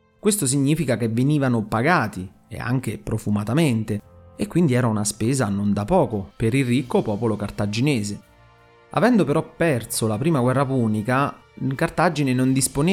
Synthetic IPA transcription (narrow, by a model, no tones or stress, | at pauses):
kwest̪os̬iɲːiːfikakevːeniːvanopaɡaːt̪i | ḛa̰ŋk̟epɾofumat̪ament̪eekːwind̪iɛːɾaunaspeːzanond̪apɔːkopeɾilrːikːopɔːpolokart̪ad͡ʒinɛːze | a̰vɛnd̪opeɾɔpːɛrsolapɾiːmaɡwɛrːapuːnika | kart̪ad͡ʒːinenond̪ispone